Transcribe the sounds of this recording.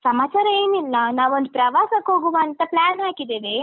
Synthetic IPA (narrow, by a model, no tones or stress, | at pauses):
sɐmaːt͡ʃaːɾɐe̞ːnilːɐnaːʋond̪upɾɐʋaːsɐkɦoːɡuʋaːnt̪ɐplaːnɦaːkid̪eːʋe